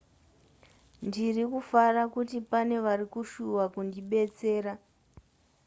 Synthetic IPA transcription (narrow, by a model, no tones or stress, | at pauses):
ndirikufarakutipane̞ʋarikuʃuwakundiɓe̞t͡se̞ːɾa